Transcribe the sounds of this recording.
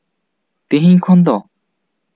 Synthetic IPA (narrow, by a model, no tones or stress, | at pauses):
t̪eɦiɲkʰɔnd̪ɔ